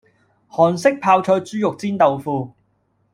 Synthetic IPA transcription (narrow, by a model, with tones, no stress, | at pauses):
hɔː˨˩nsɪ˥k̚pʰaː˧wt͡ʃʰɔː˧jt͡syː˥jʊ˨k̚t͡siː˥nt̪o˨wfuː˧